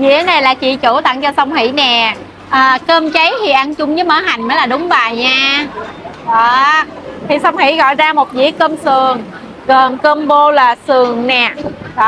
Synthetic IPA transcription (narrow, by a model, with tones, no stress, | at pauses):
zḭ˧˥˦ənaə˧jlaː˨˩t͡ɕḭ˧˨t͡ɕu˧˩t̪a̰˧˨ŋt͡ɕɔ˧sə˧wŋ͡mhḭ˧˩˨nɛ˨˩˨ | ʔəː˨˩kəː˧mt͡ɕə˨˦jhḭ˨˩ʔa˧nt͡ɕʊ˧ŋ͡mzɨ˨˦məː˧˦ɦa˨˩jŋ̟məː˨˦jlaː˨˩ɗʊ˨˦ŋ͡mvaː˨˩jɲaː˧ | ɔː˨˩ | t̪ʰi˨˩sə˧wŋ͡mhḭ˧˥ɣɔ̰˧˨jzaː˧mo˨˩t̚zḭ˧˥əkəː˧msɨ˨˩əŋ | ɣə˨˩nkəː˧mɓo˧laː˨˩sɨ˨˩əŋnɛ˨˩˨